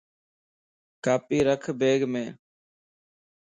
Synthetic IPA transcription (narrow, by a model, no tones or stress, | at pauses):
kaːpiːɾəkʰbeːɡmẽː